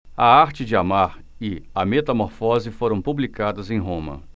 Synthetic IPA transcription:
ɐaɾt͡ʃɪd͡ʒɪamaɾɪɐmet̪ɐmoɾfɔzɪfoɾɐ̃w̃publikad̪ɐzẽj̃ɦõmɐ̰

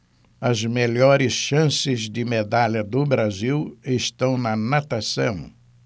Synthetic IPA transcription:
ɐzmeʎɔɾɪsʃɐ̃sɪzd̪ɪmed̪aʎɐd̪ʊbɾaziwest̪ɐ̃w̃nɐnat̪asɐ̰̃w̃

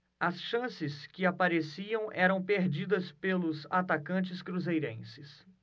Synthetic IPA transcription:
ɐsʃɐ̃sɪskɪapaɾesiɐ̃w̃ʔɛɾɐ̃w̃peɾd͡ʒid̪ɐspelʊzat̪akɐ̃nt͡ʃɪskɾuzejɾḛ̃sɪs

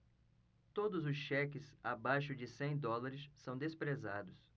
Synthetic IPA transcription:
t̪od̪ʊzʊsʃɛkɪsabajʃʊd͡ʒɪsẽj̃d̪ɔlaɾɪsːɐ̃w̃d̪espɾezad̪ʊs

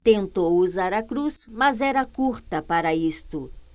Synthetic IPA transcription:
t̪ẽnt̪owuzaɾɐkɾusmɐzɛɾɐkuɾt̪ɐpaɾɐist̪ʊ

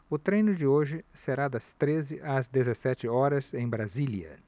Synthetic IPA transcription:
ʊt̪ɾẽj̃nʊd͡ʒɪoʒɪseɾad̪ɐst̪ɾezɪʔɐzd̪ezesɛt͡ʃɪɔɾɐzẽj̃bɾaziliɐ̰

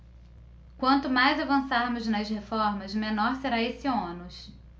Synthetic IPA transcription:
kwɐ̃nt̪ʊmajzavɐ̃saɾmʊznɐshefɔɾmɐzmẽnɔɾseɾaesiõnʊs

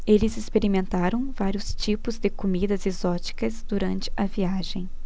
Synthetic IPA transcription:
elɪzɪspeɾimẽnt̪aɾɐ̃w̃vaɾiʊst͡ʃipʊzd̪ɪkomid̪ɐzezɔt͡ʃi̥kɐzd̪uɾɐ̃nt͡ʃɪ̥ɐviaʒẽj̃

